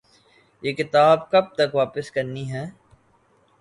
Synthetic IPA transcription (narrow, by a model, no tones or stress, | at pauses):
jeːkɪt̪aːbkɐb̚t̪ɐkʋaːpəskɐɾniɦɛː